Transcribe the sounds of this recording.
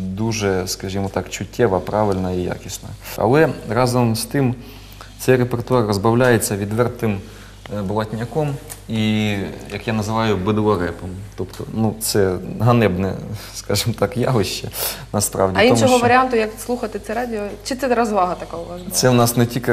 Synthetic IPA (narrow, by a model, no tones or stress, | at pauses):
d̪uʒɛskɐʒʲimɔt̪ɑkt͡ʃʊtʲʰːɛʋɐpɾɑʋɪlʲnɐija̰kʲisnɐ̰ɐ̰lˠɛrɑzɔmst̪ɪm | sɛjɾepert̪ʊɑrːɔzbɐwlʲajet͡sʲːɐʋʲid̪ʋɛrt̪ɪm | blˠɐtʲnʲɐkɔmijɐkjanɐzɪʋɑjʊbɪd̪ɐɾɛpɔmt̪ɔpt̪ɔ̰nut̪sɛɦɐnɛbnɛ̰skɑʒɪmɔt̪ɑkjɑʋɪʃt͡ʃɛnɐspɾɑwdʲiitnɔmɔɦɔʋɐɾʲɪant̪ʊjɐkslˠuxɐt̪ɪt̪sɛɾɑdʲɪɔt͡ʃɪt̪sɛɾɐzʋɑɦɐt̪ɐkaʊʋɑzt̪sɛʋnɑsnɛtʲikɪ